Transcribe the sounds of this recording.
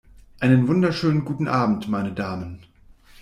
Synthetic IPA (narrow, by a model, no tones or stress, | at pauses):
ʔaɪnənvʊndɐʃøːnənɡuːtn̩ʔaːbm̩tmaɪnədaːmən